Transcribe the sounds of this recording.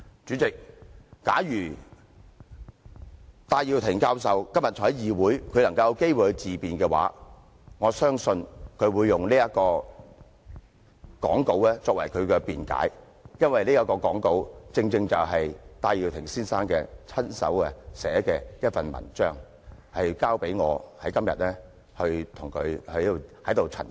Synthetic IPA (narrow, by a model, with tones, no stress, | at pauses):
t͡ʃyː˨˥t͡sɪ˨k̚ːaː˨˥jyː˨˩ | t̪aː˧ji˨wt̪ʰɪ˨˩ŋkaː˧ws̬ɐ˨wkɐ˥mjɐ˨t̚t͡sʰɔ˨˩hɐ˨˥jiː˨wuː˨˥jkʰɵ˨˧ɥlɐ˨˩ŋkɐ˧wjɐ˧wke˥jwu˨hɵ˨˧t͡siː˨˩piː˨nkɛː˧wa̰ː˨˥ | ŋɔː˨˧sœː˥ŋsɵ˧nkʰɵ˨˧ɥwuː˨˧jːʊ˨ŋliː˥jɐ˥t̚kɔː˧ | kɔ̰ː˨˥ŋko˨˥wlɛ˥t͡sɔː˧k̚wɐ˨˩jkʰɵ˨˧ɥkɛː˧piː˨nka̰ː˨˥j | jɐ˥nwɐ˨jliː˥jɐ˥kɔː˧kɔː˨˥ŋko˨˥wt͡sɪ˧ŋt͡sɪ˧ŋt͡sɐ˨wɦɐ˨jt̪aː˧jiː˨˩wt̪ʰɪ˨˩ŋsiː˥nsaː˥nkɛ̰ː˧t͡sʰɐ˥nsɐ̰˨˥wɛ˧sɛ̰ː˨˥kɛː˧liː˦˥ɐ˥t̚fɐ˨nmɐ̰˨˩nt͡ʃœː˥ŋ | hɐ˨jkaː˥wpe˨˥jŋɔː˨˧hɐ˨˥jkɐ˥mjɐ̰˨t̚lɛː˥ | hɵ˧ɥt̪ʰʊ˨˩ŋkʰɵ˨˧ɥhɐ˨˧˥jhɐ˨˥jt̪o˨wt͡sʰɐ̰˨˩n